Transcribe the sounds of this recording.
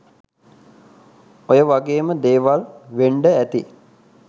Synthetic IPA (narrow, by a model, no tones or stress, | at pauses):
ojəʋaɡeːməd̪eːʋalʋeɳɖəæt̪i